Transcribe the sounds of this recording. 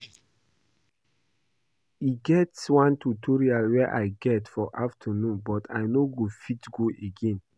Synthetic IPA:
iɡɛtswãntutʰɔɹialwɛʔaɪɡɛtfɔʔaftʰənũnbɔtʰa̰ɪnoɡofitɡoʔeɡẽn

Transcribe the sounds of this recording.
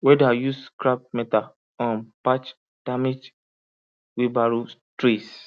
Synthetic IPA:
wɛdajuskɾap̚mɛta | ɔ̃npat͡ʃ | d̥amed͡ʒ | wibaɾutɾis

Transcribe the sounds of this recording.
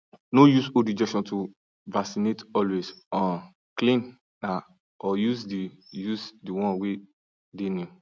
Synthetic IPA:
nojusodid͡ʒɛkʃɔ̃ntʰu | vasinetɔlwesɔ̃ | klĩn | na | ɔjuzdijusdiwɔ̃nwe | denu

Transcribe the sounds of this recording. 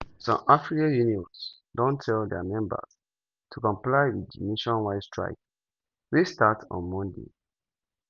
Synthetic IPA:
sɔ̰̃mʔafɹikãjuniɔ̃ns | dɔ̃ntʰɛldɛmɛ̃mbə̰s | tʰukɔ̃mplaɪwidineʃɔ̃nwaɪstɹa̰ɪk̚ | westatʰɔ̰̃nmɔ̃ndḛ

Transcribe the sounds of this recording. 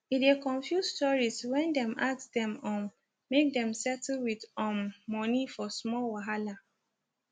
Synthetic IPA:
idekɔ̃ɱfjusstɔɹizwɛ̃ndɛ̃masdɛ̃mɔ̃ | mek̚dɛ̃msɛtl̩widɔmːɔnifɔsmɔlwaɦala

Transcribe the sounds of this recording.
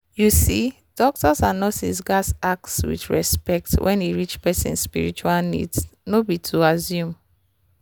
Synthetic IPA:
jusi | d̥ɔk̚tɔsãnːɔsḭsɡasak̚swḭtɹɛspɛk̚twʔɛ̰̃niɹit͡ʃpɛsḭ̃nsspiɹit͡ʃualnḭdsnobitʰuazjũm

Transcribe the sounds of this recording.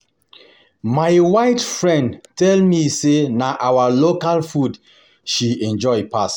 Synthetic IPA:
majwaɪtfɹɛ̃ndtɛlmisenaʔawalokalfud | ʃiɛ̃nd͡ʒɔɪpas

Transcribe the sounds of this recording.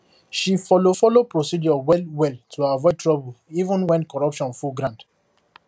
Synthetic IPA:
ʃifɔlofɔlopɹosid͡ʒɔwɛlwɛltʰuaavɔɪtʰɹɔbulivũnwɛ̃nkɔɹɔpʃɔ̃nfuɡɹãnd

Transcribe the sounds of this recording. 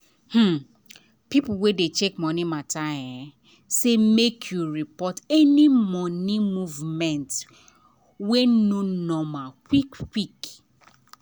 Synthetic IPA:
hm̩ | pipuwedet͡ʃekmɔ̃nimataɛ | semekʰjuɹipɔtɛnimɔnimuvmɛ̃nt | wenonɔmakikkik

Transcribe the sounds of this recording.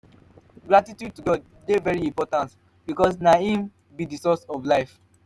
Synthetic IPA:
ɡɹatitjud̚tuɡɔd | devɛɹiĩmpɔtãnt | bikɔs̬naĩm | bidisɔsɔvlaɪf

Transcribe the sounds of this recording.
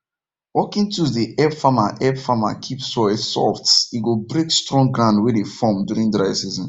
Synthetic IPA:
wɔkĩntuðiʔɛfamaʔɛfama̰kʰipsɔɛsɔ̰ftsiɡobɹekstɹɔ̃ŋɡɹãndwedefɔmduɹĩndɹaɪsizɔ̃n

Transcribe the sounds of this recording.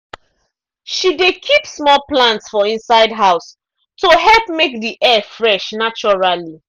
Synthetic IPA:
ʃidekʰipsmɔlplãntsfɔĩnsaɪdɦaʊs | toɦɛlp̚mek̚diʔɛfɹɛʃnat͡ʃɔɹali

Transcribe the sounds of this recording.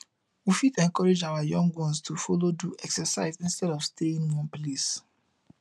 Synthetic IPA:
wifitɛ̃nŋkɔɹed͡ʒawajɔ̃ŋɡwɔ̃nstʰufɔloduʔɛksɛsaɪzĩnstɛɾɔvsteĩnwɔ̃nples

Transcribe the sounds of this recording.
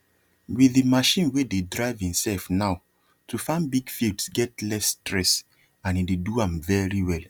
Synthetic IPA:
wiðimaʃĩnwededɹaɪvĩmsɛlfnaʊ | tʰufãndbiɡfildsɡɛtlɛstɹɛs | ãnideduãmvɛɹiwɛl

